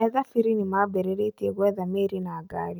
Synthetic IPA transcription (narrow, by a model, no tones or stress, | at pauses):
ɛðafiɾinimabɛɾeɾetieɣwɛðameːɾinaːɡaːɾi